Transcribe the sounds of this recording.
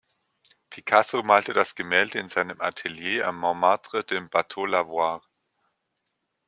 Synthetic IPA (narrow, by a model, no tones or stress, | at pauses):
pʰikʰasomaːltədasɡ̥əmɛːldəɪnzaɪnəmʔa̰tʰeljeːa̰mːaʊmaɐtʁ̥əd̥eːmb̥atʰolavwaːʁ